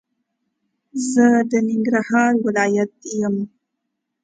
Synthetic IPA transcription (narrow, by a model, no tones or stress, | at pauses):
zəd̪ənɪŋɡɾahɑɾwɪlɑjat̪̚jəm